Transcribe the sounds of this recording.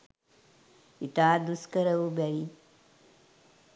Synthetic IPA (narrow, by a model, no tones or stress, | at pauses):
it̪aːd̪uskəɾɐʋubɛɭi